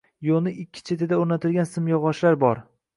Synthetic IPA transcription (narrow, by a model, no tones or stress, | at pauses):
jonɪɪkʲʰːɪ̥t͡ʃʰe̞t̪ʰɪd̪aoɾnat̪ʰɪlɡʲansɪmjɒʁɒʃlaɾbɒɾ